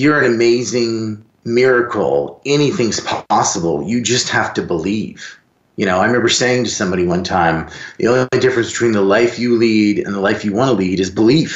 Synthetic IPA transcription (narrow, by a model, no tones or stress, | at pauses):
jə˞ɨ̃nɨmeɪzɪ̃ŋ | mɪɹɨkʰl̩ˠɛniθɪ̃ŋz̥pʰɑsəbl̩ˠjɨd͡ʒʌst̚hæftɨbəliv̥ | jɨñoʊãɪ̃mɛvə˞seɪɪ̃ŋtɨsʌ̃mbɑɾiwʌ̃ntʰãɪ̃mðḭõʊ̃nlidɪfɹɨ̃nsb̥tʰw̥ĩnðəlaɪfjɨliɾɨ̰̃nðəlaɪfjɨwɑ̃ñəliɾɨzbəlif